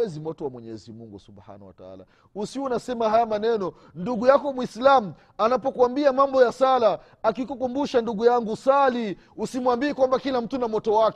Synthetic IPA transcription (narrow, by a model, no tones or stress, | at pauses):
ɛzimɔtɔwamwɛɲɛzimuŋɡusubha̰nawa̰taa̰la̰ | usiunasɛmaɦajamanɛnɔ | nduɡujakɔmwislamu | anapɔkwambiamambɔjasalaː | kikukumbuʃanduɡujaŋɡusali | usimwambiɛkwambakilam̩tunamɔtɔwak